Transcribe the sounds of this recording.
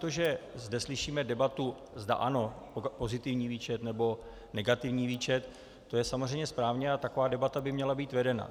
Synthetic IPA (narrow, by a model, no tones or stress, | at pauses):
t̪oʒɛzdɛslɪʃiːmɛdɛbat̪u | zda̰ʔano̞ | po̞zɪt̪ɪvɲiːviːt͡ʃɛt̪nɛbo̞ | nɛɡat̪ɪvɲiːviːt͡ʃɛt̪ː | o̞jɛsamozr̝ɛjɲɛspɾaːvɲɛat̪ako̞vaːdɛbat̪abɪmɲɛlabiːt̪vɛdɛna̰